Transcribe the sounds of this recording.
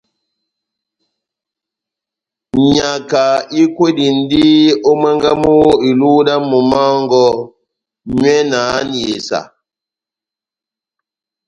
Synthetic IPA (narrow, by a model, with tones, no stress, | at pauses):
ɲa˨ka˨i˦kwe˦di˨n̩˦di˦o˦mɛ˦ŋɡa˦mu˦i˨lu˦da˦mu˨ma˦ŋɡɔ˦ | ɲwɛ˦naː˨˦n˨je˨sa̰˨